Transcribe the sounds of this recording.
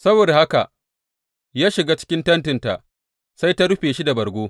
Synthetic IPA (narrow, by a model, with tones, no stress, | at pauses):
sɐ˦boː˨da˨ha˦ka̰˨ʔ | jaː˦ʃɪ˨ɡaː˦t͡ʃɪ̥˦kʲɪ˦ntɐ˦ntɪ˨nta̰˨ʔ | sa˦jta˦ɽʊ˦ɸeː˨ʃi˦da˨bɐ˨rɡʷoː˦